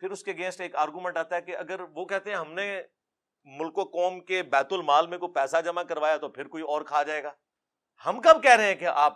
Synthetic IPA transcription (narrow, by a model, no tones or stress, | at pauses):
pʰɪɾʊskeɐɡẽːnsʈeːkaːɾɡumɛ̃ɳʈaːt̪aɦɛkeɐɡəɾʋokɛɦt̪eɦɛ̃ɦɐmne | mʊlkokɔːmkebɛːt̪ʊlmaːlmẽkopɛːsad͡ʒɐmakɐɾʋaːjat̪opʰɪɾkoːiɔːɾkʰaːɦad͡ʒaːeːɡaː | hɐmkɐb̚kɛɦɾɐɦeɛ̃keʔaːp̚